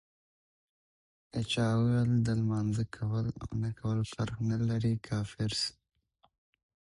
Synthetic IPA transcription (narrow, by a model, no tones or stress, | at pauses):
et͡ʃɑwwald̪əlmɑnzəkʰawəla̰nakʰawəlfaɾxnalaɾikʰɑːfɪɾs